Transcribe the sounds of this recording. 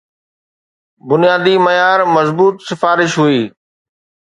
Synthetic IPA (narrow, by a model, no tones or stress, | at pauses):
bʊnijaːd̪iməjaːɾmɐzbuːt̪sɪfaːɾɪʃɦʊiː